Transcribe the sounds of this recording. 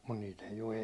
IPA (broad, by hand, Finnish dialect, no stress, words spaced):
mut niːt eij o